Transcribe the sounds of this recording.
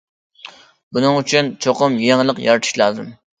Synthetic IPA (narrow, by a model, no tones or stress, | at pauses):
bunɨŋyt͡ʃʰynt͡ʃʰoqʊmjeŋlˠəqjɑɾt̪ʰɨ̥ʃlˠɑːzɨm